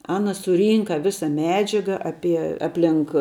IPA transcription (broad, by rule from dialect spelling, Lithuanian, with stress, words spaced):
ˈɑːnɐ sʊˈrʲiːŋkɐ ˈʋʲɪsɐ ˈmʲæːd͡ʒʲɛɡɐ ˈɑːpʲiɛ ˈɑːpʲlʲɪŋk